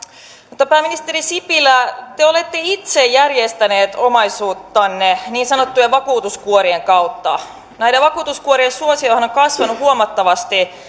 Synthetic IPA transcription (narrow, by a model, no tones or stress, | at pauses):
mut̪ːɑpæːminist̪eɾisipilæt̪eo̞le̞t̪ːeit̪sejjærjest̪æneːt̪omɑisuːt̪ːɑnːeniːnsɑnot̪ːujeʋʋɑkuːt̪uskuoɾieŋkɑut̪ːɑ̰ | næjɾeʋʋɑkuːt̪uskuoɾiensuosiojhɑnoŋkɑsʋɑnuhuomɑt̪ːɑʋɑst̪i